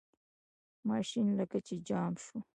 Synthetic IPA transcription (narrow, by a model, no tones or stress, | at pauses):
mɑʃinlakat͡ʃed͡ʒɑːmʃu